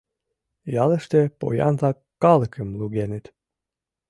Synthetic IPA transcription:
jɑlə̆ʃt̪ĕpo̰jɑ̰nzɑkːɑləkʰəmluɣenet̪

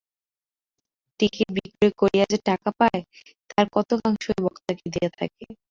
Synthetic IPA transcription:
tikibikɾɾekoɾijad͡ʑeʈakapae | t̪aɾkɔt̪okaŋʃoebɔkt̪aked̪ejet̪ʰa̰ke

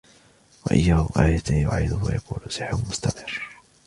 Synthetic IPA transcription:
waʔa̰jːaːhʊʔaːjat̪ajʊ̰ʕiːd̪ʊhwa̰jakuːlʊsɪħɾʊmʊst̪amɪrː

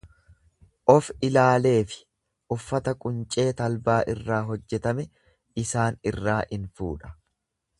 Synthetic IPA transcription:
ʔɔfɪlaːle̞ːfɪ̥ | ʔʊfːɐt̪ɐkʼʊnt͡ʃʼe̞ːt̪ɐlbaːʔɪrːaːɦɔd͡ʒːɛt̪ɐmɛ | ɪsaːnɪrːaːʔɪnfṵːᶑɐ̥

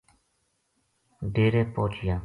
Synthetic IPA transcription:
ɖeːɾeːpoːt͡ʃɪjaː

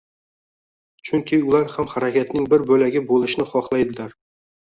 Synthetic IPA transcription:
t͡ʃʰɵŋkʲʰiʊlˠaɾhamχaɾakʲat̪nɪŋbɪɾbɵlaɡʲɪbolˠɪʃɪnɪχɒχlˠajd̪ɪlaɾ

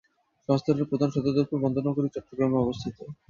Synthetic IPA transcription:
ʃɔŋst̪ʰaɾeɾpɾod̪ʱanʃɔd̪od̪oɾpuɾbɔnd̪ʱonaɡoɾit͡ɕɔʈːɾoɡɾameɔbost̪ʰit̪o

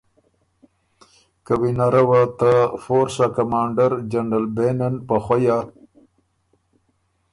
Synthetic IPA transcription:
kawinaɾawat̪afoɾsakamɑːɳɖaɾd͡ʒaɳɖalbenanpaxwaja

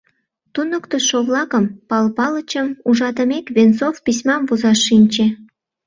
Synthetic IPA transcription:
t̪unəkt̪oʃoβlɑkəmpɑlpɑlət͡ɕəmuʒɑd̪əmekβensofpis̬ʲmɑmvozɑʃinʲt͡ɕe

